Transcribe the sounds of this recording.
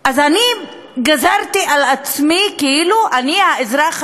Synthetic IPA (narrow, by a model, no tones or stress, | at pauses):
ʔazani | ɡazaʁt̪iʔalat͡smikeiluʔaniaezʁaχ